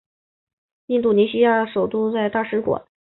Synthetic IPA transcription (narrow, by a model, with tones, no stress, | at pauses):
i˥˧nt̪u˥˩ni˧˥ɕi˥ja˥˩əʂo˨˩ʊt̪u˥˧t͡sa˥˧ɪt̪a˥˩ʂɻ̩˥kwa̰˨˩˦n